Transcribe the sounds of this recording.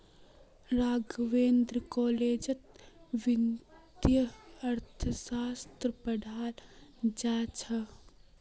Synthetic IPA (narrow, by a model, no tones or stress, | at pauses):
ɾaːɡʋeːnd̪ɾkoːleːd͡ʒət̪̚ | ʋint̪jəɐɾt̪ʰəsaːst̪ɾəpɐɖʱaːld͡ʒaːt͡ʃʰɐ